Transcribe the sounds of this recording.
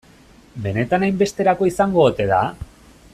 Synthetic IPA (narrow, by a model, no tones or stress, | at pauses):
be̞ne̞t̪anajmbe̞st̪e̞ɾako̞isaŋɡoːt̪e̞ða̰